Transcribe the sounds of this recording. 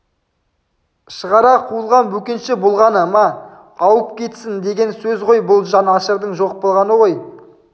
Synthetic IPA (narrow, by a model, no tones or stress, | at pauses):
ʃəʁɑɾɑqʰuəlˠʁɑnbɵkʲenʃɪbolˠʁɑnəmɑ | ɑwəp̚kʲʰe̞t̪sɪnd̪e̞ɡʲe̞nsɵzʁo̞jbʊlˠʒɑnɑʃəɾd̪əɴʒo̞q̚bolˠʁɑnəʁo̞j